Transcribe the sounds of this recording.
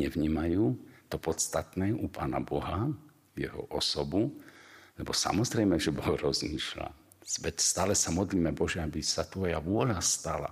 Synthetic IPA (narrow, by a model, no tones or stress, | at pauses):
ɲɛʋɲiːmajuːt̪ɔpɔt̪st̪at̪nɛːʔupaːna̰bɔɦa | jɛɦɔ̰ʔɔsɔbulɛbɔsa̰mɔzɾɛjmɛʒɛbɔɦɾɔzmiːʃla̰̥ | ʋɛtst̪aːlɛsamɔd̪liːmɛbɔʒɛabisat̪ʋɔjaʋʊɔʎast̪ala̰